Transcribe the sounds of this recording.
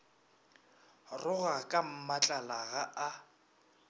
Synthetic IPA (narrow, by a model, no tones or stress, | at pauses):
rʊɣakʼam̩mat͡ɬʼalaɣaʔa